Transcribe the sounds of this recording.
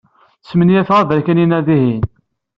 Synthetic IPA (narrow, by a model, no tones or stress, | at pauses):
smənijæθʁaðəɾkæninæðiɦin